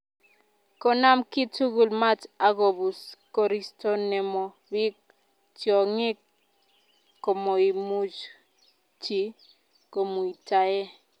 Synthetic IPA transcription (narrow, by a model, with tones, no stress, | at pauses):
kɔ˦na˦mki˦tu˦ɡu˨lma˦ta˨ɡo˨bu˨skɔ˨ɾi˦stɔ˦nɛ˨mɔ˨ | wi˦k̚ | tjɔ˨ŋi˦k | ɔ˨mo˨i˨mu˦d͡ʒ | ti˨ | ko˨mu˨i˨ta˨ɛ˦